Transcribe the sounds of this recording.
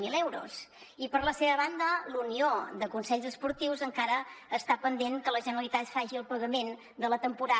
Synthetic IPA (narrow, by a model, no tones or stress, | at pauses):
milɛwɾṵs | ipəɾləseβəβand̪əluniod̪əkunsɛʎzəspuɾt̪iwzəŋkaɾəːst̪apənd̪eŋkələʒənəɾəlit̪at̪faʒiəlˠpəɣəmen | d̪ələt̪əmpuɾa